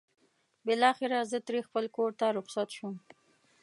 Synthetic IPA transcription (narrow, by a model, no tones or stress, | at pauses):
bɪlɑxɪɾazət̪ɾexpəlkoɾt̪aɾʊχsat̪ʃum